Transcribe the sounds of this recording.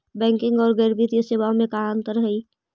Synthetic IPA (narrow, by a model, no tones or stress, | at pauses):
bɛ̃ːŋkɪ̃ŋɡɔːɾɡəːɾbit̪ijəseːʋaõmẽkaə̃nt̪əɾɦəiː